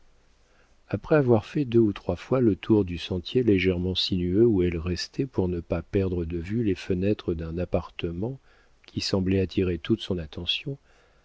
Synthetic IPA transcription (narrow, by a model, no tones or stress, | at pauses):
apχɛavwaʁfɛd̪øut̪χwafwalət̪ʰuʁd̪ysɑ̃t̪jeleʒɛʁmɑ̃sinyøuɛlʁɛst̪ʰɛpuʁnəpapɛʁd̪ʁəd̪əvylefənɛt̪χəd̪ɛ̃napaʁt̪əmɑ̃ | kʲisɑ̃blɛat̪ʰiʁet̪ut̪sɔ̃nat̪ɑ̃sjɔ̃